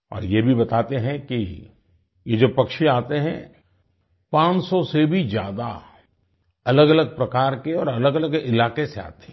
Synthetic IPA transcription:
ɔ̰ːɾjebʱibɐt̪aːt̪eɦɛ̃ki | jed͡ʒoːpɐkʃiaːt̪eɦɛ̰̃ | pãːt͡ʃsɔsebʱid͡ʒja̰ːd̪a | ɐləɡɐləɡ̚pɾɐkaːɾkeɔːɾɐləɡələɡɪlaːkesea̰ːt̪e̥ɦɛ̃

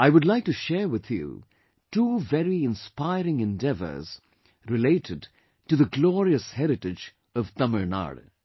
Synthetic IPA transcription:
aɪwʊdlaɪk̚tɨʃɛɹwɪð̥jṵ | tuːvɛɾiɪ̃nspaɪɾɪ̃ŋɨ̃ndɛvə̰˞z̥ | ɾɪleɪɾʰɪd | tɨðəɡlɔɹiəshɛɾɪʈɪd͡ʒ | ʌv̥t̪ʌməɹna̰ɾ

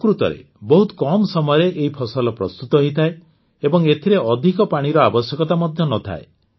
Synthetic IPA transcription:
kɾut̪ɔ̰ɾḛ | bɔɦut̪kɔmɔsɔmɔɔɾeʔeɦipʰɔsɔlɔpɾɔ̰st̪ut̪ɔɦoit̪ʰae | ebɔŋet̪ʰiɾeɔd̪ʱikɔpaɽ̃iɾɔabɔsjɔkɔt̪amɔd̪ʱjɔnɔt̪ʰa̰e

